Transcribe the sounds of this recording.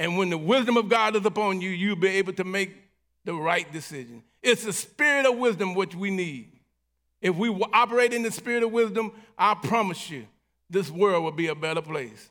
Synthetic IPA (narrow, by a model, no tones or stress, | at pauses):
ɨ̃nwə̃nðɨwɪzdɨ̃mʌvɡɑɾɨzəpɑ̃njɨjɨlˠbieɪbl̩ˠtɨmeɪk̚ | ðɨɹaɪt̚d̥ɨsɪʒɨ̃n | ɪtsɨspɪɹɨɾʌvwɪzdɨ̃mwɨt͡ʃwinid | ɨfwiwʔɑpə˞eɪɾɨ̃nðɨspɪɹɨɾʌvwɪzdɨ̃mʔaɪlpʰɹ̥ɑmɨsjɨ | ðɪswɜ˞d̚wəlˠbiɨbɛɾə˞pʰl̥eɪs